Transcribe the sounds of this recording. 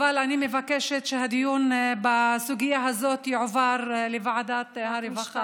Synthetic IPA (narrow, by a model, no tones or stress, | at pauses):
valanimevakeʃet̪ʃehad̪ijunbasuɡijaɦazo̞t̪jiʕovaɾlevaʕad̪at̪haɾevaχa